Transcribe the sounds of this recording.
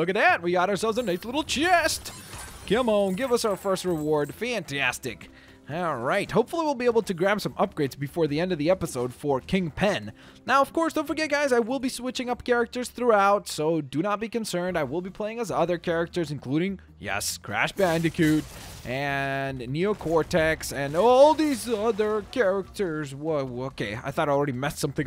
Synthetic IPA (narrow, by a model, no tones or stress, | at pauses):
lʊkɨt̪̚ðɨt̚wiɡɑɾəə˞sɛlˠvzɨneɪsˡlɪɾl̩ˠt͡ʃʰɪstɡ̥ʰɪ̃mõʊ̃mɡɪvʌsaʊə˞fɜ˞st̚ɹɨwɔɹd̥fæ̃ntʰæstɪk | ɹaɪt̚hoʊpfl̩ˠiwɪlˠbieɪbl̩ˠtʰɨɡɹæb̥sʌ̃mʔʌp̚ɡ̥ɹeɪdzbɨfɔɹðiɛ̃ndʌvðiɛpəsoʊd̥fə˞kʰɪ̃ŋpʰɛ̃nː | aʊʌv̥kʰɔɹsðõʊ̃nfə˞ɡɛt̚ɡ̥aɪzaɪwɪlˠbiswɪt͡ʃɪ̃ŋʌp̚kʰɛɹɨk̚tə˞z̥θɹuaʊtsoʊdɨnət̚b̥ikɨ̃nsɜ̃˞ndaɪwɪlˠbipʰl̥eɪɪ̃ŋəzʌðə˞kʰɛɹɨk̚tə˞zɨ̃n̩kʰl̥uɾɪ̃ŋ | jɛ̰skʰɹ̥æ̰ʃb̥æ̃ndɨkʰʉɾʔɨ̃nːioʊkʰɔɹtʰɛksɨ̃nɔlˠðizʌðə˞kʰɛɹɪk̚tə˞zwʌoʊkʰeɪa̰ɪθɔɾaɪl̩ˠɹɛɾimɛssʌ̃mθɪ̃ŋ